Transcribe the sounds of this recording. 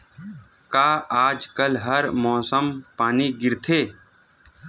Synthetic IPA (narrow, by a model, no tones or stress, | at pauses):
kaːʔaːd͡ʒkəlɦəɾmɔːsəmpaːniɡɪɾt̪ʰeː